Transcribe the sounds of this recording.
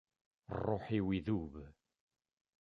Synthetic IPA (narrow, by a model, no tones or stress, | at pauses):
rˤːoħiwiðuβ